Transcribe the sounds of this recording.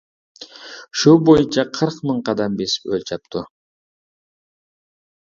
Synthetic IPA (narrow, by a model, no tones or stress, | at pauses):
u̥ʃulˠbo̞junt͡ʃɑqʰɯɾqmɨɴqɑd̪ɑmbe̞sølt͡ʃɑp̚t̪u